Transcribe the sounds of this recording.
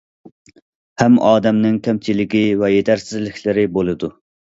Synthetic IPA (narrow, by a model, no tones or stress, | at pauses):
hæmɑːd̪ɛmnɪŋkʲɛmt͡ʃʰilɪkʲivɛjet̪ʰæɾsɪzlɪkʲlɪɾɪbolˠɨd̪u